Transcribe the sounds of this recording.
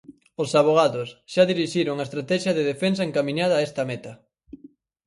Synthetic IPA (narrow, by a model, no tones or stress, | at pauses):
osaβ̞oɣ̞aðʊsʃaðiɾiʃiɾoŋaest̪ɾat̪ɛʃjɐðeðefens̬ɐeŋkamĩɲað̞ɐːest̪ɐmɛt̪ɐ